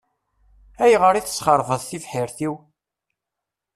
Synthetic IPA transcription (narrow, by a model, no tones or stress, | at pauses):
æjʁəɾiθə̥sχəɾˤvəðθifħiɾθiw